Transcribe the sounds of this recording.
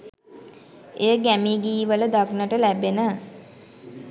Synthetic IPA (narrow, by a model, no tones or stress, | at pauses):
ejəɡæmiɡiːʋələd̪aɡnəʈəlæbenə